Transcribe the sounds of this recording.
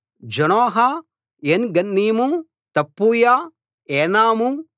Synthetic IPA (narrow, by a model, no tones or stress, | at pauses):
d͡ʒɐnoːɦɐ | eːnɡɐnːiːmu | t̪ɐpːuːja | eːnaːmu